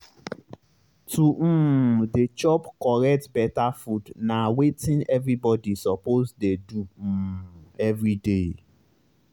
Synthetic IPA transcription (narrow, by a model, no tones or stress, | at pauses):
tʰum̩det͡ʃɔpkɔɾɛk̚tbɛtafudnãwetʰĩnɛvɾibɔdisɔpozdeduɛvɾide